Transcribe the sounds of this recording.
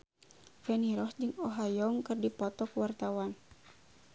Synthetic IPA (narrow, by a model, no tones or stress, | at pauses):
fɛniɾɔsd͡ʒɨŋɔɦajɔŋkɨrdipɔt̪ɔkwart̪awan